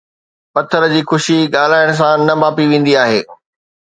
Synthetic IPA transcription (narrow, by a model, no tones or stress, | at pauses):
pɐt̪ʰːəɾəd͡ʑiːxʊʃiɠaːl̤aːɪɽ̃s̬ãnɐbaːpiʋẽːn̆d̪iaːɦeː